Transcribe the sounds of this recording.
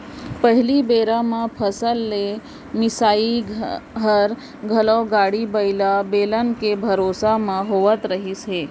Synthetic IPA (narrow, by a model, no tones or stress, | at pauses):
pəɦɪlibeːɾãmãpʰəsəlːe | mɪsaːiɦəɾ | ɡʱəlɔːɡaːɽibəɪlabeːlənkebʱɐɾoːsamãɦoːʋət̪ɾəɦisɦeː